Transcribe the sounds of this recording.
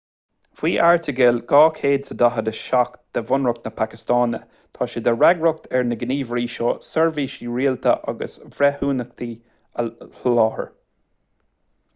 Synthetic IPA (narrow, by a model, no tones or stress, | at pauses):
v̥iːʔaɹt̪ʰəɡɪlɡ̥ɑːkʰeːd̪səd̪aɦəd̪əʃakd̪̥əvʊnɹʊk̚t̪nəpʰakɪst̪ɑːnə̰ | t̪ʰɑːʃid̪əɹaɡɹʊk̚t̪ʰɛɹnəɡəniːvɾiːʃoːsɛɹviːʃiːɹiːəlt̪ʰəʔa̰ɡə̰svɾɛhuːnək̚t̪ʰiː | əɬlɑːhə̰ɹ